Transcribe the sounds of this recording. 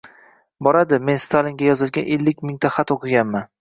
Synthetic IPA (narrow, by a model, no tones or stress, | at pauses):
bɒɾad̪ɪme̞nst̪ʰalɪŋɡʲajɒzɪlɡʲanʔelːɪkʲmɪŋt̪ʰaχat̪oqʰɨɡʲanman